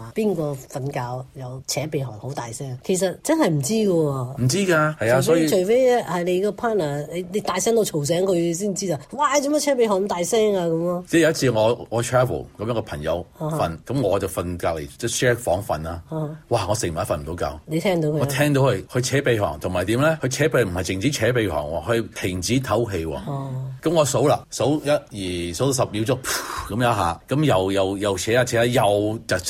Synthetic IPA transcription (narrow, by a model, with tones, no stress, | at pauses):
a˨˩piː˥nkɔː˧fɐ˨nkaː˧wjɐ˨wt͡sʰɛː˨˥pe˨˧jɦɔ̰ː˨˩ŋho˨˥wt̪aː˨jsɛː˥ŋkʰe˨˩s̬ɐ˨t̚t͡sɐ˥nhɐ˨jm̩˨˩t͡siː˥kɔ˧m̩˨˩t͡siː˥kaː˧hɐ˨jaː˨˧˩sɔe˥ji˧t͡ʃʰɵ˨˩fe˥jɛ˥hɐ˨le˨˧kɔː˧pʰaː˥t̚naː˨˩le˨˧jne˨˧t̪aː˨˧jsɛː˥˩ŋt̪o˧wt͡ʃʰo˨˩ws̬ɛː˨˥ŋkʰɵ˨˧ɥsiː˥˩nt͡siː˥t͡saː˨˩waː˨˧˨t͡si˨˧m˥˨˥t͡ɕʰɛː˨˥p̬e˧jɦɔː˨˩n˨˧t̪aː˨jsɛː˥ŋaː˧kɐ˨˧˦mɔ˧t͡sɛː˥˩jɐ˧˦ɐ˥t͡sʰiː˧ŋɔː˨˧ŋɔː˧tʰɹɛː˥və̰˨˩lkɐ˨mjœː˨˧˥ŋkɔ˧pʰɐ˨˩ŋjɐ̰˨˧˥whaː˧fɐ˨˧nkɐ˨˦mŋɔː˨˧t͡sɐ˨˩wfɐ˨˧nkaː˧˩k̚lḛ˨˩t͡sɛː˥˩sɛː˥fɔː˨˥ŋfɐ˨naː˧˨waː˨˩ŋɔː˨˧sɪ˨˩ŋ̚m̩ː˨˥fɐ˧nm̩˨t̪o˨˧wkaː˧wne˨˧t̪ʰɛː˥ŋt̪o˨˧wkʰɔː˧t̪ʰɛː˥ŋt̪o˨˧whɵ˧kʰɵ˧ɥt͡sʰɛː˨˥pe˧ɦɔ̰ː˨˩ŋt̪ʰʊ˨˩ma˨jt̪iː˨˥mlɛ˥hɵ˧ɥt͡sʰɛː˨˥pe˧˨˩m̩˨˩hɐ˨jt͡sɪ˨ŋt͡siː˨˥t͡sʰɛː˨˥pe˧jɦɔ̰ː˨˩ŋwɔː˧˩khɵ˧t̪ʰɪ˨˩ŋt͡siː˨˥t̪ʰɐ˨˥wɦe˧jwɔ̰ː˧kɐ˨˥mŋɔː˨˧so˨˥wlaː˧so˨˥wjɐ˥t̚jiː˨˩so˨˥wsɐ˨p̚jiː˨˥wt͡sʊ˥k̚pkɐ˨˦mjaː˨˧˥ɦaː˨˧kɐ˨˦˥mjɐ˨wjɐ˨wjɐ˨wt͡ʃʰɛː˨˥aː˧t͡sʰɛː˨˦la˨˧jɐ˨wt͡sɐ˨˩